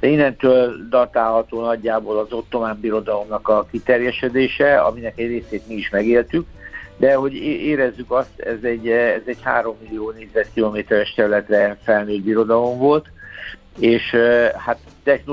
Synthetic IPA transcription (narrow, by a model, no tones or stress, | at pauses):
inːɛnt̪øːld̪ɒrt̪aːlɦɒt̪oːnɒɟːaːbolɒzo̞t̪ːo̞maːmbiɾo̞d̪ɒlo̞mnɒkɒkit̪ɛrjɛʃɛd̪eːʃɛɒ̰minɛkɛɟreːseːt̪miiʃmɛɡeːlt̪ykd̪ɛɦo̞ɟeːɾɛzːykɒst̪ɛ̰zɛɟːɛzɛɟha̰ːɾo̞mːilːioːneːɟzɛt̪kilomeːt̪ɛɾɛʃt̪ɛɾylɛt̪ɾɛfɛlnøːd̪̚biɾo̞d̪ɒlo̞ɱvo̞lt̪ | eːʃhat̪ːɛxno